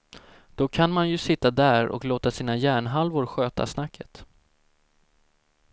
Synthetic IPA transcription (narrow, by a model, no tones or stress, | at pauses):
d̪̥ɔkʰanmanjɵsɪt̪ːad̪æːɾɔ̰kloːt̪asiːnajæːɳɦalvʊɾɧøːt̪a̰snakʰːət̪